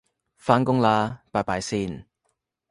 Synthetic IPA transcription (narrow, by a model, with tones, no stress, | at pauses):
faː˧nkʊ˥ŋlaː˧paː˨˧jpaː˨˧jsiː˧˩n